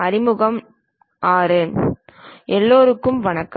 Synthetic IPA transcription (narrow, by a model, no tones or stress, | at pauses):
ɐɾɪmɯɣɐm | aːɾen | ʔɛlːoːɾɯkːɯmʋɐɳɐkː